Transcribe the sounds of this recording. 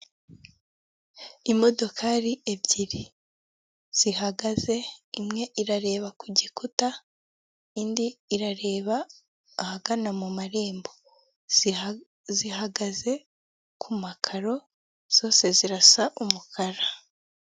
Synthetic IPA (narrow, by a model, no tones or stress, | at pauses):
imo̞do̞kʰaɾie̞bɟiɾi | z̥ihaɡaze̞imŋe̞ʔiɾaɾe̞ːβakuɟikuta | indiːɾaɾe̞ːβaː | haɡanamumaɾe̞ːmbo̞ | ziɦaɡaze̞ | kʰumakʰaɾo̞ | z̥o̞ːse̞ziɾasaʔumukʰaɾa